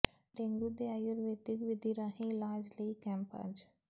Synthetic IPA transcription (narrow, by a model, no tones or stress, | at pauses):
ɖẽŋɡuːd̪eaːjoɾʋeːt̪ɪkʋɪd̪ʱiːɾaɦĩːlaːd͡ʒləikɛ̃ːmpa̰d͡ʒ